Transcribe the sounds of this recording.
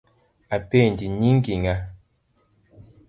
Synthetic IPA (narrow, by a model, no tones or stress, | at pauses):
apendiɲiŋ̩ɡiŋa